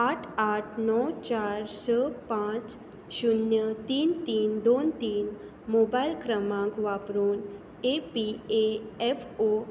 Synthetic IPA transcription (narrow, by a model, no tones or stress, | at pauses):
aʈʰaʈʰnɔwt͡ɕaɾsəpãt͡s | ɕunjət̪iːnt̪iːnd̪ont̪iːn | mobajlkɾəmãŋkʋapɾuːn | epieɛfo